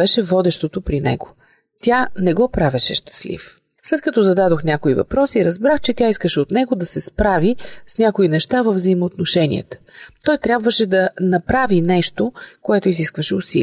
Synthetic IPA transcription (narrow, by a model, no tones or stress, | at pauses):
ɛʃɛvɔd̪ɛʃt̪ot̪opɾinɛ̰ɡo̥ | t̪ʲjanɛɡɔpɾavɛʃɛʃt̪ɐ̥slḭf | slɛt̪̚kɐt̪ɔzɐd̪ad̪oxnʲakoivɐ̰pɾɔsiːɾɐzbɾaxt͡ʃɛt̪ʲaiskəʃɛot̪nɛɡod̪ɐsɛspɾavisnʲakoinɛʃt̪avəvzəimot̪noʃɛnʲḭə̰t̪ə̥t̪ɔjt̪ɾʲjabvəʃɛd̪ɐnɐpɾavinɛʃt̪okoɛt̪oiziskvəʃɛʊsḭl